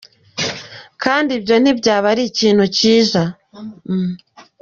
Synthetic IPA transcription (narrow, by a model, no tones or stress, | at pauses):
kʰaːndibjo̞n̥ibɟaːβaɾiciːn̥huciːʒa